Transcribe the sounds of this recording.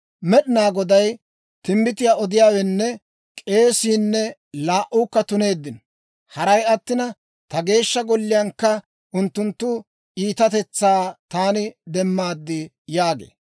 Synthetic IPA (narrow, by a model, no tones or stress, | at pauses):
mɛɗɪnaːɡɔd̪ɐj | t̪ɪmbɪt̪ɪjaːɔd̪ɪjaːwɛnːɛ | kʼe̞ːsiːnːɛ | laːʔuːkːɐt̪ʊne̞ːd̪ːɪn | hɐɾɐjɐt̪ːɪnɐ | t̪ɐɡe̞ːʃːɐɡɔlːɪjɐŋkːɐ | ʔʊnt̪ːʊnt̪ːʊ | ʔiːt̪ɐt̪ɛt͡sːaːt̪aːnɪd̪ɛmːaːd̪ːɪ | jaːɡḛː